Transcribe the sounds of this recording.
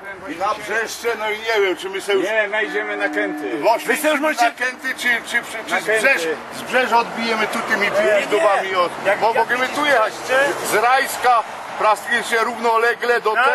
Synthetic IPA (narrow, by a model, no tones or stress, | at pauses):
abʐɛʃt͡ʃɛnɔiɲɛvjɛmt͡ʃɪmɪsɛuɲɛnajd͡ʑɛmɛnakɛnt̪ɪlɔʃɪsɛuʃmɔakɛnt̪ɪt͡ʃit͡ʃipɛt͡ʃɪzbʒɛʃ | zbʐɛʒɔd̪̚bijɛmɛt̪ut̪imit̪iuʒd̪ɔvamiɔmɔmɔɡɛmɛt̪ujɛɦa | zɾajska | pɾast̪iɛsɛɾuvnɔlɛɡlɛd̪ɔt̪